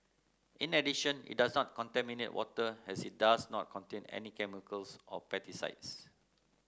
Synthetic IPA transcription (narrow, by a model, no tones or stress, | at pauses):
ʔĩnɛdiʃə̃nḭt̚dasnɔt̚kɔ̃ntɛminetwɔtəɛsit̚dasnɔt̚kʰɔ̃ntẽnɛ̰nikɛmikəlsɔpɛtisa̰ɪts